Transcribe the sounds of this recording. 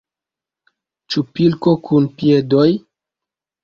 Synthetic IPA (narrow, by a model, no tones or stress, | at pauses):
t͡ʃupilkokʰunpie̞doj